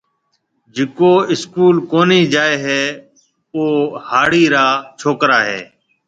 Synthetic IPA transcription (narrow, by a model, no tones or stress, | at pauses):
d͡ʒɪkoːɪskuːlkoːniːd͡ʒaːeːɦeː | oːhaːɽiːɾaːt͡ʃʰoːkɾaːɦḛː